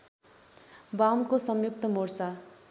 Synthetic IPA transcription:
bamkosʌmjuk̚t̪ʌmorsa

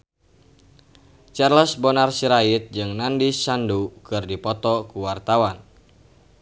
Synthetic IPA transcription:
t͡ʃɛrlɔsbɔnarsiɾait̪̚d͡ʒɨŋnandisandukɨrdipɔt̪ɔkuwart̪awan

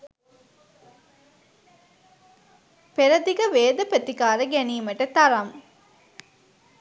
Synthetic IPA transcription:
peɾɐd̪iɡəʋeːd̪əpət̪ikaːɾəɡæniːmɐʈət̪ɐɾɐŋ

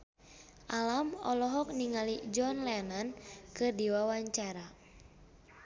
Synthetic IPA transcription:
ʔalamɔ̰lɔɦɔk̚niŋalid͡ʒɔnlɛnankɨrdiwawaɲt͡ʃaɾa

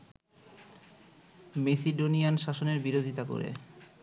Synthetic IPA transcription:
mesiɖonijanʃaʃoneɾbiɾod̪ʱit̪ako̰ɾḛ

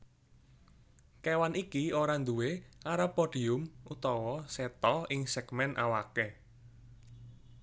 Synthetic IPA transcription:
kɛwanikioɾand̪uweaɾapɔɖ̥i̤ʊmut̪ɔwɔsɛt̪ɔɪŋsɛɡ̥mɛnʔa̰wake

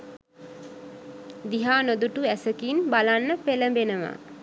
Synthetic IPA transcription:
d̪iɦaːnod̪uʈuæsəkinbalanːəpeləmbenəʋa̰

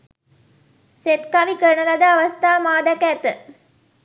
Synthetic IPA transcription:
set̪kaʋikəɾɳəlɐd̪əaʋɐst̪aːmaːd̪ɐkæt̪ə

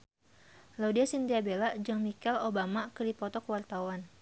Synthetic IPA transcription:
laudiasint̪iabelad͡ʒɨŋmikɛlobamakədipɔt̪ɔkəwart̪awan

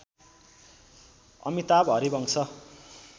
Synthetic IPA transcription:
ʌ̰mit̪abɦʌɾibʌŋt͡sʰʌ

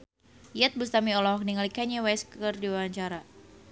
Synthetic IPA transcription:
jɛt̪̚bust̪amiɔlɔɦɔk̚niŋalikaɲɛwɛskərdiwawaɲt͡ʃaɾa

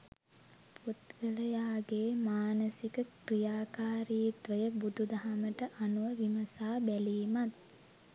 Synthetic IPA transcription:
put̪ɡələjaːɡeːmaːnəsikəkrijaːkaːɾiːt̪ʋəjəbud̪ʱud̪aɦaməʈəʔanuʋəʋiməsaːbæliːmat̪̚

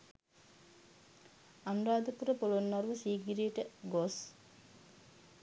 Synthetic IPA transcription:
anuɾaːd̪əkuɾəpolonːɐɾuʋəsiːɡiɾiʈəɡos

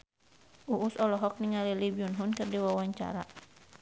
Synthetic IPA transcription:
ʔuʔːsɔlɔɦɔk̚niŋalilibiunɦunkɨrdiwawaɲt͡ʃa̰ɾa

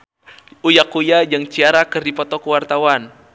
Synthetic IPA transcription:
ujakujad͡ʒaŋt͡ʃiaɾakərdipɔt̪ɔkəwart̪awan

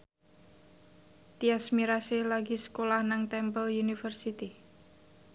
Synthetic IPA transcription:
t̪iasmiɾaselaɡiskolahnaŋt̪ɛmpəljunifərsit̪i

